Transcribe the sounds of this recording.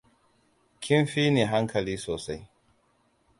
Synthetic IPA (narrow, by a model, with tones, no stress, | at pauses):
kʲʰɪ˦nɸiː˦neː˨ɦa˦ŋkʰɐ˨liː˦soː˨sa˦j